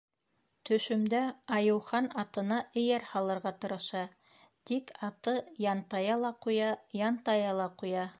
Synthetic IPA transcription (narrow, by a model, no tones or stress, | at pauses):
t̪ɵ̆ʃɵ̆md̪æɑjɤ̆wχɑnɑt̪ɤ̆nɑʔɘ̆jæɾhɑlˠɤ̆ɾʁɑt̪ɤ̆ɾɤ̆ʃɑ | t̪ikɑt̪ɤjɑnt̪ɑjɑlˠɑqujɑjɑnt̪ɑjɑlˠɑqujɑ